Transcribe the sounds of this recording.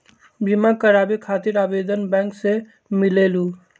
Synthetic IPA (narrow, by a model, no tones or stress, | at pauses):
bʱimakəɾaːbekʰaːt̪iɾaːbeːd̪ənbɛ̃ːŋkse | mɪleːlu